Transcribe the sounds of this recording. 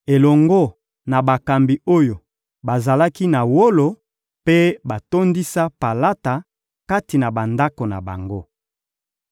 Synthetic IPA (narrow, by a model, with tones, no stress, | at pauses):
e˨lɔ˨ŋɡo˦ | na˨ba˨ka˨mbi˨o˦jo˨ | ba˨za˨la˦ki˦na˨wo˦lo˨ | pe˦ba˨to˦ndi˦sa˦pa˨la˦ta˨ | ka˦ti˨na˨ba˨nda˦ko˨na̰˨ba̰˨ŋɡo˦